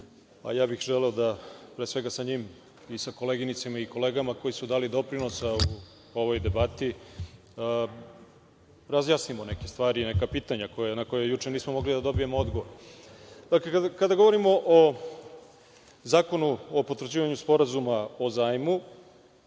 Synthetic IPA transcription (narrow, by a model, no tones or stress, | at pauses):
a̰jaːbixʒeleod̪apɾeːsʋe̞ɡasaɲim | isako̞leɡinit̪semaiko̞leːɡamako̞jisud̪aːlid̪o̞pɾinosau | o̞ʋo̞jd̪e̞bat̪i | ɾazjaːsnimonekest̪ʋaːɾiːnekapiːt̪aɲakojenako̞jejut͡ʂeniːsmomo̞ɡlid̪ad̪o̞bijemoo̞d̪ɡo̞ʋo̞ɾ | d̪̥aklekakad̪aɡo̞ʋo̞ɾimo̞ʔo | zaːko̞nuopot̪ɾod͡ʑiːʋaɲuspo̞ɾazumaozaːjmu